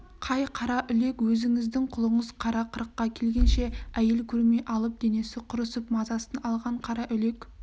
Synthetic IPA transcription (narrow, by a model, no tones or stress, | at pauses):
qʰɑjqʰɑɾɑʔʏle̞kwɵzɪŋɪzd̪ɪŋqʰʊlˠəɴəzqʰɑɾɑqʰəɾəqːɑkʲʰe̞lɡʲe̞nʃeæje̞lkʲʰɵɾme̞jʔɑlˠəp̚d̪̥e̞ne̞sɪqʰʊɾəsəpmɑzɑsənɑlˠʁɑɴqʰɑɾɑʔʏle̞k